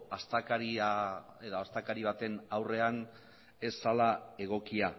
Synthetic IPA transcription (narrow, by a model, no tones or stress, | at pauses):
ast̪akaɾia | eðoast̪akaɾiβ̞at̪e̞nawre̞an | e̞sːalae̞ɣ̞o̞kia